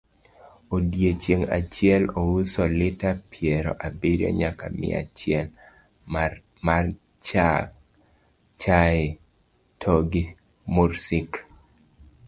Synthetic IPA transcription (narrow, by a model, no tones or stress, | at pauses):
odjet͡ʃjeŋa̰t͡ʃjɛlowusolɪtapʰjɛɾɔ̰ʔabiɾo̰ɲaka̰mɪ̰a̰t͡ʃjɛl | mar | t͡ʃa | t͡ʃae | tʰoɡi | muɾsik